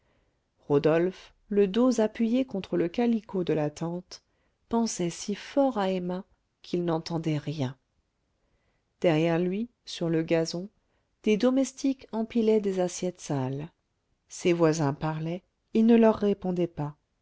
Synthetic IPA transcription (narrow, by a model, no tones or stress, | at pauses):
ʁod̪ɔlf | ləd̪ozapɥijekɔ̃t̪χələkalikod̪əlat̪ɑ̃t̪ | pɑ̃sɛsifɔʁaema | kʰilnɑ̃t̪ɑ̃d̪ɛʁjɛ̃ | d̪̥ɛʁjɛʁlɥi | syʁləɡazɔ̃ | d̪̥ed̪ɔmɛst̪ikɑ̃pilɛd̪ezasjɛt̪sal | sevwazɛ̃paʁlɛ | ilnəlœʁːepɔ̃d̪ɛpa